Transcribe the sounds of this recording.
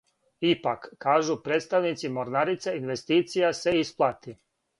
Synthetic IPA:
ipakːaːʒupɾeːt̪st̪aʋnit̪simoɾnaɾit̪seinʋest̪iːt̪sijaseisplˠat̪i

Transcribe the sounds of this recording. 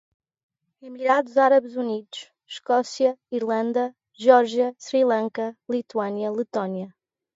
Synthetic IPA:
imiɾaðuzaɾɐβzuniðuʃ | ʃkɔsjɐiɾlˠɐ̃nd̪ɐ | ʒɔɾʒjɐsɾilˠɐ̃ŋkɐlˠit̪uɐnjɐlˠɨt̪ɔnjɐ

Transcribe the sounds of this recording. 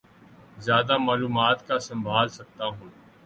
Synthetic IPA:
zjaːd̪amaːluːmaːt̪kasɐ̃mbʱaːlsɐk̚t̪aɦũː

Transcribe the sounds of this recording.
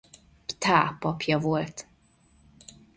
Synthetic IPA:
pt̪aːpːɒpjɒvo̞lt̪

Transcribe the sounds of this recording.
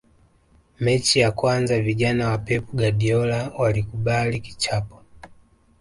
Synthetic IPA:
mɛt͡ʃijakwanzaviʄanawapɛpuɡaɗiɔlawalikuɓaliki̥t͡ʃapɔ̥

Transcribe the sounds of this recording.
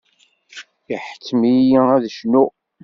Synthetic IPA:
jiħə̥kːmijææðəʃnu

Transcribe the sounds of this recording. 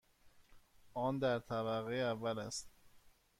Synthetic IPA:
ʔɒːnd̪æɾt̪ʰæβæɣejævːælæst̪

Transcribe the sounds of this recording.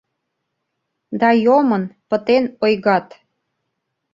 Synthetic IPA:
d̪ɑjomənpə̆t̪enojɣɑt̪

